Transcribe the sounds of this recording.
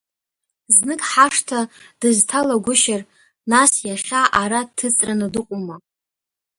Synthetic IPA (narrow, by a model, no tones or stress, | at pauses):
znɨkʼħaʂtʰad̥ɨztʰalaɡʷʊʃar | nasjaχʲaʔaɾatʰɨt͡sʼranɨdɨqʷʼuma